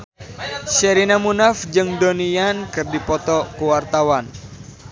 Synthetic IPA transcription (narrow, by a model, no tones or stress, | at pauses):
ʃɛɾinamunafd͡ʒɨŋdonijankɨrdipɔt̪ɔkuwart̪awan